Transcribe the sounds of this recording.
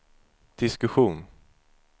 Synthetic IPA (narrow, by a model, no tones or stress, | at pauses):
d̪̥ɪskɵɧuːn